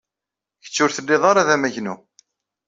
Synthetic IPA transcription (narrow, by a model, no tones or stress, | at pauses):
çə̥t͡sːʊɾθəlːɪðˤɑɾaðæmæʝnu